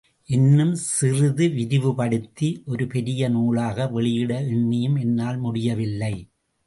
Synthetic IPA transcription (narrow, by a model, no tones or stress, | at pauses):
ʔɛnːɯmsɪrɯðɯʋɪɾɪʋɯpɐɽɯt̪ːiʔɔɾɯpɛɾɪjɐnuːɭaːɣɐʋɛɭɪjɪɽɐɪɳːɪjɯmɛnːaːlmʊɽɪjɐʋɪlːɐɪ